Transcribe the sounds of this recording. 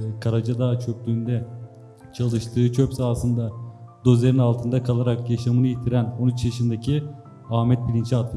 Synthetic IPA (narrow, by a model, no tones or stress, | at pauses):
kʰaɾad͡ʒad̪aːt͡ʃʰøk̚d̪yynd̪ɛ | t͡ʃʰalˠɯʃt̪ʰɯːt͡ʃʰøpsaːsɯnd̪ad̪o̞zlʲeɾinalˠt̪ʰɯnd̪akʰalˠaɾakjaʃamɯnɯjit̪ʰiɾænonyt͡ʃjaʃɯnd̪ecʰi | aːmɛt̪̚bilʲint͡ʃʰiat̪lɯ